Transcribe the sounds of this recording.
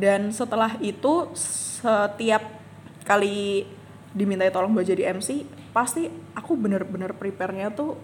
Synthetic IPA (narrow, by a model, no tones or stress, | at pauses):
dansət̪əlaɦit̪usət̪iap̚ | kali | dimint̪ait̪olɔŋbad͡ʒadiɛmsi | past̪iakubənərbənərpɾipɛrɲat̪u